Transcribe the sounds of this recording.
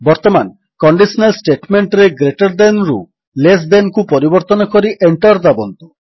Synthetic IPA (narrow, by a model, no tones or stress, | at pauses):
bɔɾt̪ɔman | kɔɳɖisɔnalsʈeʈmeɳʈɾeɡɾeʈɔɾd̪enɾṵ | les̬d̪enkupɔɾibɔɾt̪ɔnɔkɔɾiʔeɳʈɔɾd̪abɔnt̪u